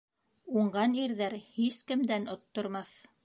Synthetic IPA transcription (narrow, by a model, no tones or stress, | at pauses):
uɴɢɑniɾðæɾhiskɘ̆md̪ænŏt̪ːŏɾmɑθ